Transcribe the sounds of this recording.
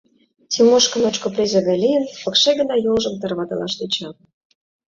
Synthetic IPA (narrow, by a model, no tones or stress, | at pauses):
t̪ʲimoʃkə̆mot͡ɕkoprʲezɑɣɑlʲijənpɤ̆kʃeɡə̆nɑjolʒə̆mt̪ə̆rβɑt̪ɑ̰lɑ̰ʃd̪et͡ɕɑ